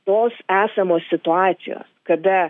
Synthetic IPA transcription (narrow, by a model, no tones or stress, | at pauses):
oːsæːsɐmoːsʲsʲɪt̪ʊɑːt̪sʲɪ̰jo̰ːskɐd̪ɐ